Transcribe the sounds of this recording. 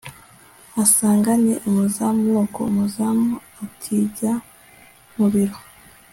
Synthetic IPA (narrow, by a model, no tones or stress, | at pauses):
asaːŋɡaɲḛʔumuzamŋoːko̰umuzamu | atʰiːɟa | muβiɾo